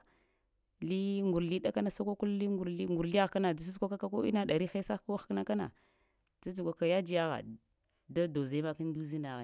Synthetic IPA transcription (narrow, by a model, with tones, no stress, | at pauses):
li˦ŋɡu˨ɾli˦ɗa˦ka˦na˨sa˦kʷa˦ku˦lli˦ɡu˨ɾli˦ŋɡu˨ɾli˦a˦ɣka˦na˨da˨si˦zkʷa˦ka˦ka˦ko˦ḭ˦na˦da˨ɾi˦xa˦sa˦kwa˦xkna˦ka˦na̰˨ | t͡sa˦u˨kʷa˨ka˨ja˦d͡ʒi˦ja˦ɣa̰˨ | da˦do˨za˦ma˦ki˦n˦du˦zi˦na˨ɣa˨